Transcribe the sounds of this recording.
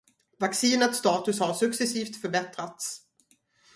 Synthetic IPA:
vaksiːnət̪st̪ɑːt̪ɵshaɾʂɵksɛsiːft̪fœɾbɛt̪ɾat̪s

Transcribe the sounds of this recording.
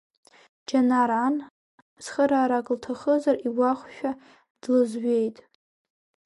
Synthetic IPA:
d͡ʒanaɾan | sχəɾaːɾakʼltʰaχəzariwaχʷʃᶣa | d̥lɨzɥejtʼ

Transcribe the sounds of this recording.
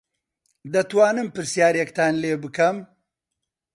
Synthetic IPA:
d̪ɐt̪waːnɨmpɨɾsjaːɾekt̪aːnleːbɨkɐm

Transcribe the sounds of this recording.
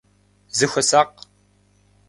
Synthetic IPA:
zɨxʷɐsaːq

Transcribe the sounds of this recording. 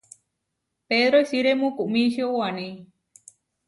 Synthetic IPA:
peðɾoisiɾemũkuʔmĩʃeowanĩ

